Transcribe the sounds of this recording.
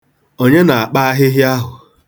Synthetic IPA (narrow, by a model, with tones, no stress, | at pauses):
o˦ɲe˦na˨a˨k͡pa˦a˦ɦɪ˦ɦɪ˦a˦ɦʊ˨